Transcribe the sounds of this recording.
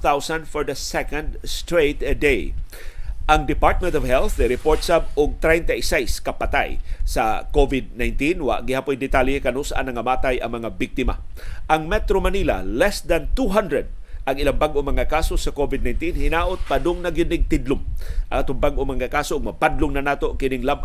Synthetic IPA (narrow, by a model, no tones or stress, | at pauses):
θawsãnd̪fɔɹd̪ɐsɛkãnd̪st̪ɹejt̪d̪ej | ʔɐŋd̪ɪpaɹt̪̚mɛ̃nt̪ɔvɦɛlθɪɾɪpoɹt̪sap̚ʊɡ̚t̪ɾajnt̪aɪsajskɐpat̪a̰jsɐkovɪd̪̚najnt̪inwa̰ʔɡɪhapʊjd̪ɪt̪alekɐnusʔa̰nɐŋɐmaːt̪ajɐŋmɐŋabɪk̚t̪ɪma̰ʔɐŋmɛt̪ɾomaniːla̰lɛsd̪ant̪uɦãnd̪ɾɛd̪̚ | ʔɐŋɪlaŋbaɡʔomɐŋakaːsosɐkovɪd̪najnt̪inhɪnaːʔot̪̚padʊŋnɐɡɪd̪nɪɡ̚t̪ɪd̪lʊŋʔɐŋat̪ʊŋbaɡʔomɐŋakaːsoʔʊɡ̚mɐpad̪lʊŋnɐnaːt̪okɪnɪŋlab